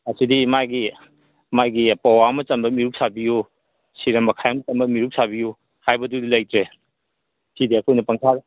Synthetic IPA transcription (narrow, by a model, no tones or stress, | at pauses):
ɐsidimajɡi | majɡipɐwaɐmɐt͡ʃɐmbɐmiɾuk̚sabiju | siɾɐmɐkʰajɐmɐt͡ʃɐmbɐmiɾuk̚sabiju | hajbɐdudilɐjtɾe | sidiɐkʰojnɐpɐŋtʰaɾ